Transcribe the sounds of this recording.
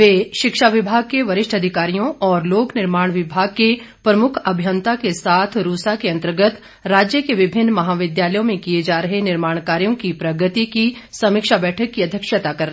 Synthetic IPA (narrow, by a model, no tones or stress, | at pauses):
ʋeːʃɪkʃaʋɪbʱaːɡ̚keʋɐɾɪʃʈʰɐd̪ʱɪkaːɾijõʔɔːɾloːknɪɾmaːɽ̃ʋɪbʱaːɡ̚ke | pɾɐmʊkʰɐbʱjənt̪akesaːt̪ʰɾuːsakeɐ̃nt̪əɾɡət̪ | ɾaːd͡ʒjəkeʋɪbʱɪnːmɐɦaːʋɪd̪jaːləjõmẽkied͡ʒaːɾɐɦenɪɾmaːɳkaːɾijõkipɾɐɡət̪ikisɐmɪkʃabɛːʈʰəkːiɐd̪ʱjəkʃət̪akɐɾ